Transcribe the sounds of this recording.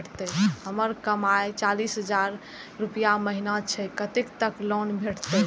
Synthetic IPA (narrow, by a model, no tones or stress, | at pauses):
ʈt̪ɛhəməɾkəmaet͡ʃalisɦəd͡ʒaɾː | upijaməɦinat͡ʃʰɛkət̪ekt̪əklonbʱeʈʰt̪ɛ